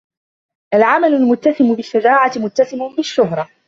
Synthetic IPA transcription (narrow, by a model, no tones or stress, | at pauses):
ʔalʕamalʊlmʊt̪ːasɪmʊbɪʃːad͡ʒaːʕamʊt̪ːasɪmʊbɪʃːʊɦɾˤɑ